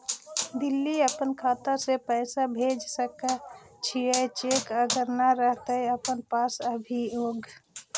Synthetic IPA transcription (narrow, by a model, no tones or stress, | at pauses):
d̪ilːiəpənkʰat̪asepəɪsabʱed͡ʒsəkə | t͡ʃʰiət͡ʃekəɡəɾnaɾəɦt̪əjəpənpasəbʱijoːɡ